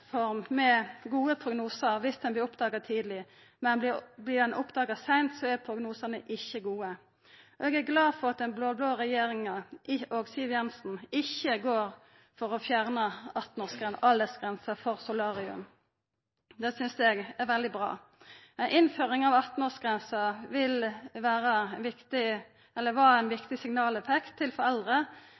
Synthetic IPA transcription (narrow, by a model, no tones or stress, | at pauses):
fɔʁmmɛɡuːəpʰʁʊɡnuːsəɾʋɪsd̪ɛnblɪʊpd̪ɑːɡɑd̪̚t̪ʰiːd̪əlɪ | mɛnblɪd̪ɛnʔʊpd̪ɑːɡɑsæɪnt̪sɔæpʰɾʊɡnuːsɑnəʔɪçːəɡuːə | ɔɛːɡæɾɡlɑːfɔʁɑt̪̚d̪ɛnbloːbloːʁɛjeːɾɪŋɑʔɪoɡsiːʋjɛnsn̩ɪçːəɡoːʁ | fɔʁɔfjæʁnəɑt̪n̩ɔːʁsɡɛnɑld̪əsɡʁɛnsəfɔʁsʊlɑːʁɪʉ̰m | d̪ɛsʏnsɛɡæʁʋɛld̪ɪbʁɑ̰ː | æɪnʔɪnføːʁɪŋɑʋɑt̪n̩ɔːsɡʁɛnsəʋɪlʋæːʁəʋɪkt̪ɪ | ɛlːəʋɑɾæɪnʋɪkt̪ɪsɪŋnɑːlɛfɛkt̪ʰːɪlfɔʁɛld̪ʁə